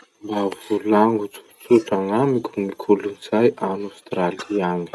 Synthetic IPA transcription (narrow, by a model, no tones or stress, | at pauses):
mbavulaŋɡut͡su̥t͡suʈ͡ʂaŋamikʰʲumikʰuluniz̥ajʔanost̪raliaɲi̥